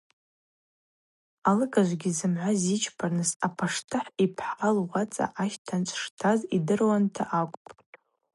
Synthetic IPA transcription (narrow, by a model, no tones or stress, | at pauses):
alɨɡʼaʒʷɡʲizɨmʕʷazit͡ʃʰpʰarnɨsapʰaʂtʰɨħipʰħalwat͡sʼa̰ʔaʃtʰant͡ʃʷʼʰʂtʰazidɨrwantʰaʔakʷʼpʼ